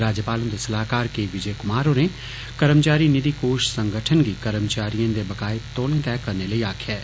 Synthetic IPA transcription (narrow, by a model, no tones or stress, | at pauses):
ɾaːd͡ʒjəpaːlə̃nd̪esɐlaːkaːɾkeʋɪd͡ʒəekʊmaːɾõne | kɐɾəmt͡ʃaːɾinɪd̪ikoːʃsə̃ŋɡʱəʈʰənɡikəɾəmt͡ʃaːɾijə̃nd̪ebɐkaːɪt̪oːlẽt̪ɛːkːɐɾneləiaːkʰjɛː